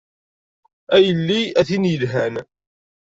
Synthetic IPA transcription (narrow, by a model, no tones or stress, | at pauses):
æjəlːiæθinjəlɦæn